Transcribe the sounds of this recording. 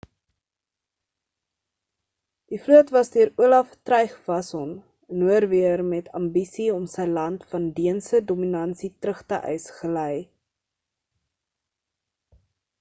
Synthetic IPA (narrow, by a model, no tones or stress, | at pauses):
d̥ifluətvɐsdyəɾuəlɐftrœɥχvɐsɔn | nuərviərmɛtʰɐmbisiɔmsəjlɐntfɐndiənsədɔminɐnsitrəχtəʔœ̰ɥsχələj